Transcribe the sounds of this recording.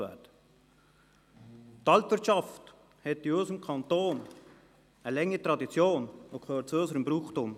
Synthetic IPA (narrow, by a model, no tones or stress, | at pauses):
vɛ̰t | tɑltʋɪt͡ʃɑft | hɛt̪ɪɔɪsəmkʰɑnt̪oːn | əlɛŋət̪ɾɑd̪it͡sjoːnokʰøːt͡søːsəɾəmbɾuːχtʊm